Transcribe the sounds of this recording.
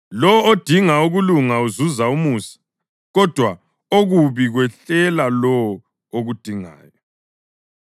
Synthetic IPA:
lɔod̥ʱiŋauɣuluŋauzuzaumuːsi̥ | ɣɔd̥ʱwa | oɣuβiɣwɛɬɛlalɔ | oɣud̥ʱiŋa̰ːjɔ

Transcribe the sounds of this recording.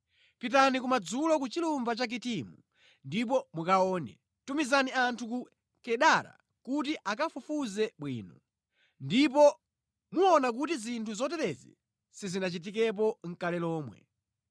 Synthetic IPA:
pit̬anik̬umad͡zulɔkut͡ʃilumbat͡ʃak̬itimu | ndip̬ɔmukaɔːnɛ̰ | tumizaniantʰuku | kɛɗaɾa̰ | kut̬iʔakafufuzɛɓwḭːnɔ | ndip̬ɔ | muɔnak̬utizintʰuzɔt̬ɛɾɛzɛ̰ | sizinat͡ʃit̬ik̬ɛp̬ɔŋ̩kalɛlɔːmwɛ̰

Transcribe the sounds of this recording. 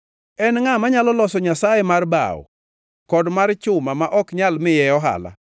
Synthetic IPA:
ɛnŋamaɲalɔlɔsɔɲasajɛmarba̰wɔ̰ | kɔdmaɾt͡ʃʊmamaʔɔkɲalmɪjɛɔɦa̰la̰

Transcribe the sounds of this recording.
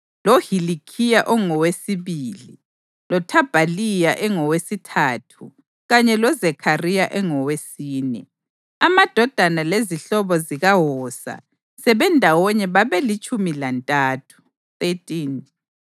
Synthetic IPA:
lohilikʰijaʔɔŋɔwesiβiːli | lɔtʰab̥ʱalijaʔɛŋɔwesitʰaːtʰu | ɣaɲɛlɔzɛkʰarijaʔɛŋɔwesiːnɛ̰ | amad̥ʱɔd̥ʱanaleziɬɔβɔziɣaɦɔːsa̰ | sɛβɛndʱawɔɲɛβaβɛlit͡ʃʼumilantʼaːtʰu̥ | θetʼin

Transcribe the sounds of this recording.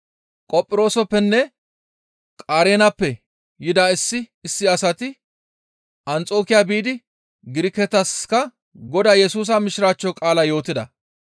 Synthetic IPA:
kʼɔpʼːɪɾo̞ːsɔpːɛnːɛ | kʼaːɾeːnɐpːɛ | jɪd̪aɪsːɪɪsːɪɐsɐt̪ɪ | ʔɐnt͡sʼo̞ːkɪjaːbiːd̪ɪ | ɡɪɾɪkːɛt̪ɐskɐ | ɡɔd̪aːjɛsuːs̬ɐmɪʃɪɾaːt͡ʃːɔkʼaːlɐjo̞ːt̪ɪd̪ɐ

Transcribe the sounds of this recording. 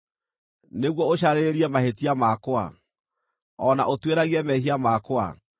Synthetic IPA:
neɣwɔoɕaɾeɾiɛmahetiamakoa̰ | ɔna̰ʔotweɾaɣiɛmɛɦiamakowa̰

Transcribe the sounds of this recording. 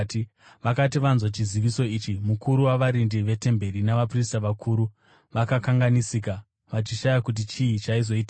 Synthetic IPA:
ʋakatiʋanzwot͡ʃiziʋiso̞iːt͡ʃimukuɾuwaʋaɾindiʋe̞te̞mbe̞ɾinaʋapris̬taʋakʰuːɾu | ʋakakaŋɡanisika | ʋat͡ʃiʃajakut̬it͡ʃiit͡ʃaizo̞iːta

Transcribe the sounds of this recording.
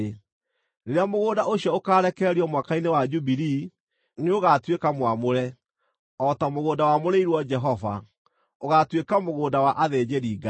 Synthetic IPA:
neɾeamoɣoːdaʔoɕjɔokaːɾɛkɛɛɾiɔmwakainewad͡ʒubiɾi | neoɣatwekamwamoɾɛ | ɔtamoɣoːdawamoɾeiɾwɔd͡ʒɛɦɔva̰ | oɣatwekamoɣoːdawaʔaðɛd͡ʒɛɾiɡa

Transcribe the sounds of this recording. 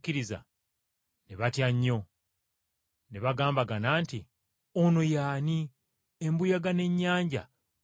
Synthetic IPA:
kiɾiza̰ | neβatjaɲːo̞ | neβaɡaːmbaɡanaːnti | onojaːni | embujaɡane̞ɲːaːɲɟa̰

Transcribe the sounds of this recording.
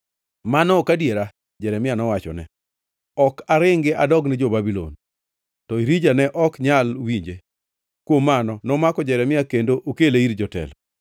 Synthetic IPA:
manɔkadjeɾa | d͡ʒɛɾɛmɪjanɔwat͡ʃɔ̰nɛ̰ | ɔkaɾɪŋɡɪʔadɔɡnɪd͡ʒobabilo̰n | tɔiɾid͡ʒanɛʔɔkɲalwiɲd͡ʒe | kwomːanɔnɔmakɔd͡ʒɛɾɛmɪakendoʔokeleiɾd͡ʒɔtɛ̰l

